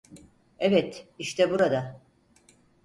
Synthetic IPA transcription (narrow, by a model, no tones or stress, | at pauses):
evɛt̪iʃt̪ʰɛbuɾad̪a